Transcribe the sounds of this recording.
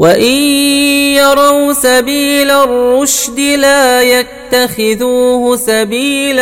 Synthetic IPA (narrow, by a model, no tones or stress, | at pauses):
waʔɪnjɑɾˤɑwsabiːlarːʊʃd̪ɪlaːjat̪ːaxɪðuːhsabiːl